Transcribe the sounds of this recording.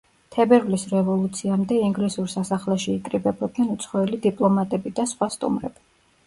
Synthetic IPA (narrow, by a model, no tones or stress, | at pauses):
t̪ʰɛbɛɾvlisɾɛvɔlˠut̪sʰiamd̪ɛiŋɡlisuɾsasaχlɛʃiːkʼɾibɛbɔd̪̚nɛnut̪sʰχɔɛlid̪ipʼlˠɔmat̪ʼɛbid̪asχwast̪ʼṵmɾɛ̰b̥i